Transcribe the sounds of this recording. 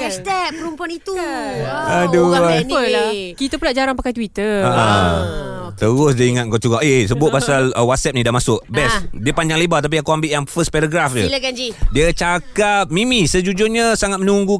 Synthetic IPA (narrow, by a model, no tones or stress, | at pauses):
kɛst̪ɛpəɾumpuanit̪u | əduəlakit̪əpunaʔd͡ʒaɾaŋpakajt̪wit̪əaʔə | t̪əɾʊsdiiŋat̪̚ŋkot͡ʃuɡaʔeesəbʊt̪̚pasaləwat̪̚sɛp̚nĩdahmasʊʔbɛsdiəpaɲd͡ʒaŋlebat̪ap̬iakuambɪʔjaŋfəspɛɾaɡɾafd͡ʒəlɡad͡ʒidiət͡ʃakap̚mĩmisəd͡ʒud͡ʒʊrɲəsaŋat̪̚mənuŋɡu